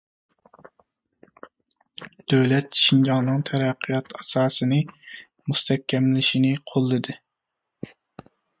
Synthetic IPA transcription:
d̪̥øwlɛt̪̚ʃind͡ʒɑŋnɨŋt̪ʰæɾæqʰːɨjɑt̪ɑsɑːsɨnɨ | must̪ʰɛkʲʰːɛmlɪʃinɪqʰolˠːɨd̪ɨ

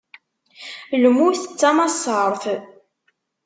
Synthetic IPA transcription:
lmuθət͡sːamɑsˤəɾˤθ

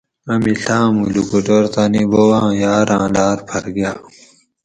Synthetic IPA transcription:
ɐmiɬãːmulukuʈoɾt̪aːnibowãːjaːɾãːlaːɾpʰɐɾɡjaː

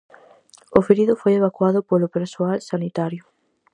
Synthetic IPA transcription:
ofeɾiðʊfojeβ̞akwaðʊpolʊpeɾsoalsanit̪aɾjʊ

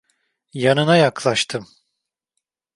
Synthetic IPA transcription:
janɯnajaklˠaʃt̪ʰɯm

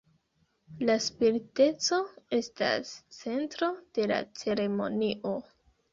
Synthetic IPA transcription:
laspiɾite̞t͡so̞e̞sta̰st͡se̞ntɾo̞d̥e̞la̰t͡se̞ɾe̞mo̞̰niʔo̞

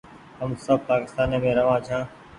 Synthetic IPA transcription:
ɦəmsəb̚paːkɪst̪aːneːmẽːɾəʋãːt͡ʃʰãː

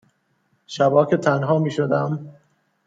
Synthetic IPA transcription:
ʃæbɒːkʰet̪ʰænɦɒːmiːʃod̪æm

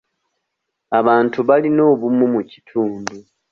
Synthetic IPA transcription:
aβaːntuβalino̞ːβumumuci̥tʰuːndu

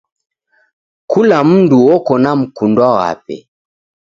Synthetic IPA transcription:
kulam̩nduwɔkɔnam̩kundwawa̰pɛ̰

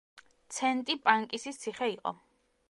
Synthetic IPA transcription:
t̪sʰɛnt̪ʼipʼaŋkʼisit̪sʰiχɛiqʼɔ̰

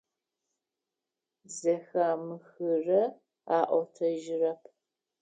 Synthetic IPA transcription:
zɐxaːmɨxɨrɐ | aːʔʷɔtʰɐʒɪrɐpʰ

